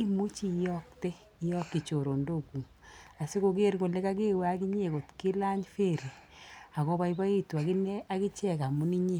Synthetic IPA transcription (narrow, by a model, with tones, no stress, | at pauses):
i˦mu˦t͡ʃi˦jɔ˦k̚te˦ | jɔ˦kːi˨t͡ʃo˨ɾo˨ndo˦ku˨ŋ | a˨si˦ko˧ke˦rko˨le˦ka˦k̬e˦wa˦ki˦ɲe˨ko˨tki˦la˦ɲfe˦ɾi˨a˨kɔ˦ba˦iba˦i˦twa˨ki˦nɛ˦ʔa˦ki˦t͡ʃɛ˦˨ka˨mu˨˦ni˦ɲe˦˨